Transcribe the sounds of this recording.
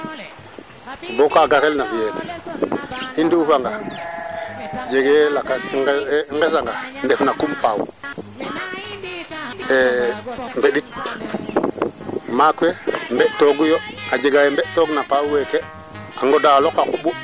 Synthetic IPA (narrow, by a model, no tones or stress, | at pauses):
bokaɡakelnafijen | indiufaŋɡa | d͡ʒeɡlakaŋɡes̬aŋɡandefnakumpawṵ | emveɗit | makuembeʔtoɡujoad͡ʒeɡajembeʔtoɡnapawuweke | aŋɡodalokakuɓu